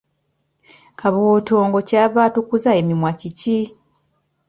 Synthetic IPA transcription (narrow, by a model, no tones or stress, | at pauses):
kaβoːto̞ːŋɡo̞caːβaːtukuzaemimwacici